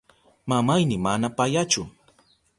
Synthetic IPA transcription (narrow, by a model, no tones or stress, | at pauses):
mamajnɪmanapajat͡ʃʊ